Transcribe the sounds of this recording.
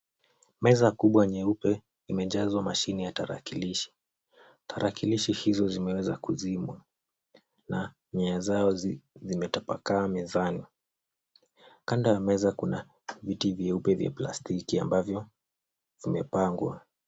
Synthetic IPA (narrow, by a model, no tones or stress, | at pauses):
mɛzakuɓwaɲɛupɛ | imɛʄazwamaʃinijataɾa̰kiliʃi̥ | tʰaɾakiliʃihizɔzimɛwɛzakuzimwa | na | ɲɛazaɔzimɛtapakaːmɛzani | kandajamɛzakuna | vitivjɛupɛvja̰pla̰stikiambavjɔ | vimɛpaŋɡwa